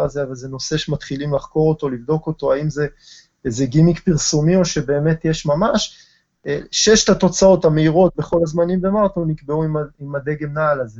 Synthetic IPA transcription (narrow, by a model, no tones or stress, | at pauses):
azeavalzeno̞se̞ʃemat̪χilimlaχko̞ʁot̪o̞livdo̞ko̞to̞aimze̞ | ezeɡimikpiʁsumio̞ʃe̞be̞ːme̞tjeʃmamaʃ | ʃe̞ʃtat̪o̞t͡sao̞thameiʁo̞t̪̚be̞χo̞lazmanimbemaʁt̪onikbeuimaimad̪e̞ɡe̞mnaːlaze